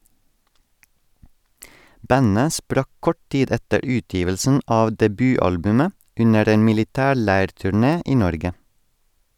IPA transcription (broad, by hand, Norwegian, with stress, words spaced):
ˈbænə ˈspɾɑk ˈkɔʈ ˈtiːd ˈɛtəɾ ˈʉːˌtjiːʋəlsn̩ ˈɑː dɛˈbyːˌɑlbʉmə ˈʉnəɾ ˈeːn mɪlɪˈtæːˌɭæɪɾtʉˌɳeː ˈʔiː ˈnɔɾɡə